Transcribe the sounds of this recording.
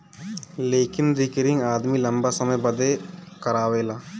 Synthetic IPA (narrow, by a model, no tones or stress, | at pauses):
leːkɪnɾɪkɾɪ̃ŋɡaːd̪milɐmbasɐməjbəd̪ekəɾaːʋeːlaː